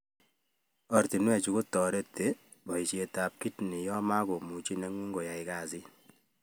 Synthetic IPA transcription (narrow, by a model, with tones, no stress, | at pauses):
ɔ˨ɾti˨nwɛ˨t͡ʃu˨ko˦tɔ˨ɾe˦te˨ | bɔ˨i˨t͡ʃje˨ta˨p̚ki˦tni˨jɔ˦ma˦ɡo˨mu˨t͡ʃi˦ne˦ŋwi˦ŋɡo˨ja˨ɪ˨ka˨si˦